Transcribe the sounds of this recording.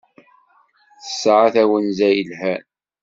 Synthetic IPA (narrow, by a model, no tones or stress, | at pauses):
θə̥sːʕaθæwənzæjəlhæn